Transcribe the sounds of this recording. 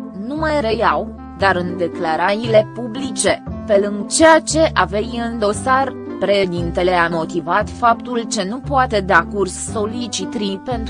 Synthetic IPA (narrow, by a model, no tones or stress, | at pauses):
numajɾejaw | d̪aɾɨnd̪e̞klaɾajile̞publit͡ʃe̞pe̞lɨŋɡt͡ʃe̞jat͡ʃe̞ʔave̞jɨnd̪o̞sar | pɾeʃd̪int̪e̞le̞amo̞t̪ivat̪fapt̪ult͡ʃe̞nupoat̪e̞d̪eakursːo̞lit͡ʃit̪ɾipe̞nt̪